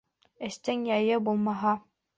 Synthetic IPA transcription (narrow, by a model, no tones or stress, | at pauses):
ɘ̆ʃt̪ɘŋjɑjɤbulˠmɑɦɑ